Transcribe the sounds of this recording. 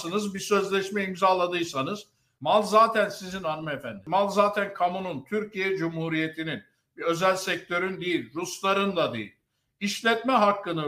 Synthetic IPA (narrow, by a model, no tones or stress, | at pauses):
sɯnɯzbisø̞zlʲɛʃmɛimzaːlˠad̪ɯjsanɯz̥ | malˠzaːt̪ʰænsizinanɯmɛfænd̪imalˠzaːt̪ʰænkʰamununt̪ʰyɾcʰijɛd͡ʒumhuɾije̞t̪ʰinin | biø̞zælʲsɛc̚t̪ʰø̞ɾynd̪ijilʲɾuslˠaɾɯnd̪ad̪ḭjḭlʲ | iʃlʲɛt̪mɛɦakːɯnɯ